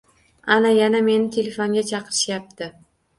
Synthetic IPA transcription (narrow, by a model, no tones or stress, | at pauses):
anajaname̞nɪt̪ʰe̞lefoŋɡʲat͡ʃʰɑqɨɾɪ̥ʃjap̚t̪ɪ